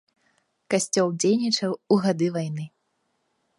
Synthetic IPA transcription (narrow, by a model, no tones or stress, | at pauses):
kasʲt͡sʲɔlˠd͡zʲejnʲit͡ʂɐwuɣad̪ɨvajnɨ